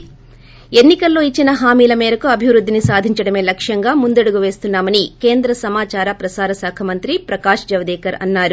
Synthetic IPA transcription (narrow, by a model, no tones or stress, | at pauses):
e̞nːikɐlːo̞ːit͡ʃːinɐɦaːmiːlɐmeːɾɐkuɐbʱiʋɾud̪ːinisaːd̪ʱiɲt͡ʃɐɽɐme̞ːlɐkʂjɐŋɡaːmund̪ɐɽuɡuʋe̞ːst̪unːaːmɐnike̞ːnd̪ɾɐsɐmaːt͡ʃaːɾɐpɾɐsaːɾɐsaːkʰɐmɐnt̪ɾipɾɐkaːʂd͡ʒɐʋɐd̪ɛːkɐɾɐ̰nːaːɾu